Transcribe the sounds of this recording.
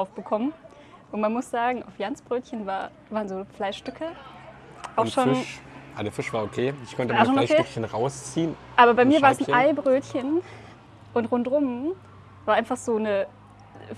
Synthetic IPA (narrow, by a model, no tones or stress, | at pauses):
aʊfb̥əkʰɔmən | ʔʊntmanmʊsz̥aːɡŋ̩aʊfjant͡sb̥ʁøːtçənvaːɐ | vaːʁənzoːflaɪʃʃtʏkʰə | ʔaʊʃoːnʔadeːɐfɪʃv̥aːɐokʰeːɪçkʰɔntəmaʃoːnokʰeːkçənʁaʊst͡siːənʔaːbɐbaɪmiːɐvaːɐɛɛsn̩aɪbʁøːtçən | ʔʊntʁʊntʁʊm | v̥aːɐʔaɪnfaχz̥oːnə